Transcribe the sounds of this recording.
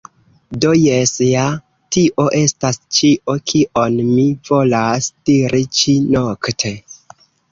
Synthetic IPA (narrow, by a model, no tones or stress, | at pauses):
do̞jesja | tiʔo̞ʔe̞stast͡ʃiʔo̞kʰiʔo̞nmiv̥o̞lasd̥iɾʔit͡ʃinoktʰe